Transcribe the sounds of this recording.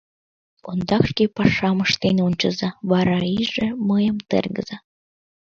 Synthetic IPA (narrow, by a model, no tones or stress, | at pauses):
o̰nd̪ɑkʃkʲepɑʂɑmɤ̆ʃt̪enʲunʲt͡ɕɤ̆zɑβɑɾɑiʐĕməjə̆mt̪ḛrɡə̰̆zɑ